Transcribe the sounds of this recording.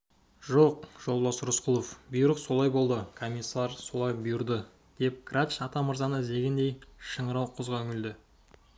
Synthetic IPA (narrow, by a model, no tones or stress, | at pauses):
ʒo̞qʒ̥o̞lˠd̪ɑsɾʊsqʰʊlˠofbʊjɾəqso̞lˠɑjbo̞lˠd̪əkʰomʲisːɑɑɾso̞lˠɑjbʊjʊɾd̪ə | d̪̥e̞p̚ɡrat̪ʃɑt̪ɑməɾzɑnəze̞ɡʲɪnd̪e̞jʃəɴəɾɑwqʰəzʁɑɵŋʲɪld̪ɪ